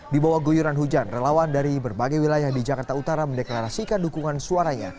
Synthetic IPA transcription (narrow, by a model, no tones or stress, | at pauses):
dibawahɡujuɾanɦud͡ʒanrelawandaɾibərbaɡajwilajahdid͡ʒakart̪aut̪aɾaməndeklaɾasikandukuŋansuaɾaɲa̰